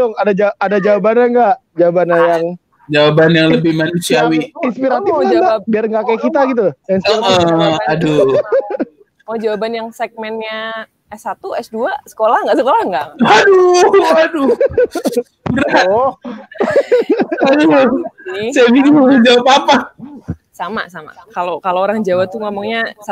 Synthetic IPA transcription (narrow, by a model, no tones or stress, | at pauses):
dɔŋadad͡ʒaadad͡ʒawabanaŋɡaʔd͡ʒawabanajaŋ | d͡ʒawabanjaŋləbɪhmanusiawiinspiɾat̪ɪfuɡabiarŋɡakajkit̪aɡit̪̬ujainsiɾatadu | ɔhd͡ʒawabanjaŋsɛk̚mɛnɲa | ɛsat̪uɛsduasə̥kolahŋɡaʔsəkolahŋɡaʔaduadu | bɾaɔh | adu | saviimud͡ʒawapapa | sama̰sama̰kalokaloːɾaŋd͡ʒawat̪uŋomɔŋɲasa